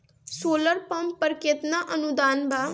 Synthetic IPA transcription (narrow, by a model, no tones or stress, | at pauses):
soːləɾpɐmpəɾket̪naʔənud̪aːnbʱa